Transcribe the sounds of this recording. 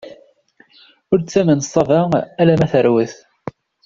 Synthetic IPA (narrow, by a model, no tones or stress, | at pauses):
ʊɾt͡sːæmənsˤɑvaælæmæθəɾwəθ